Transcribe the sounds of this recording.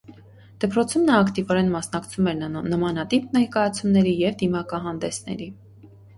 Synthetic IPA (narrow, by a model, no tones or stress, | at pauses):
d̪̥əpɾɔt͡sʰumnɑːkt̪ivɔɾɛnmɑsnɑkt͡sʰumɛɾnəmɑnɑt̪ipnɛɾkɑjɑt͡sʰumnɛɾijɛvd̪imɑkɑɦɑnd̪ɛsn̪ɛ̰ɾi